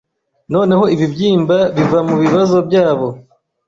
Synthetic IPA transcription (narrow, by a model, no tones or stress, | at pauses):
no̞ːne̞ho̞iβibjiːmbaβivamuβiβazo̞bjaːβo̞